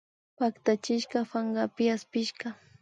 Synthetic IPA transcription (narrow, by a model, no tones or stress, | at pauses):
pakt̪at͡ʃɪʃkafaŋɡapɪaspɪʃka